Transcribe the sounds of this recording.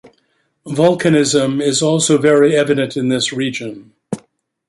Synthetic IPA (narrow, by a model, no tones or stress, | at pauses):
vʌlˠkʰɨnɪzə̃mɪzɔlˠsoʊvɛɹiɛvɨɾɨ̃ntɨ̃nðɪsɹid͡ʒɨ̃n